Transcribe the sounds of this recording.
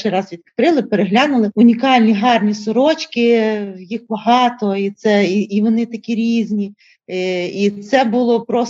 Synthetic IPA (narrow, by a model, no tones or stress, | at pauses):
ɪɾɑzʋʲid̪kɐ̥t̪ɾɪlˠɪpeɾeɦlʲɑnʊlˠɪʊnʲikɑlʲnʲiɦɑrnʲisʊɾɔt͡ʃkɪjixbɐɦɑt̪ɔit̪sɛiːʋɔnɪt̪ɐkʲiɾʲizʲnʲi | it̪sɛbʊlˠɔpɾɔs